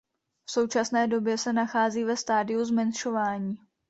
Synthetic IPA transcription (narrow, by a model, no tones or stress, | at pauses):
fso̞wt͡ʃasnɛːdo̞bjɛsɛnaxaːziːvɛst̪aːdɪjuzmɛnʃo̞vaːɲiː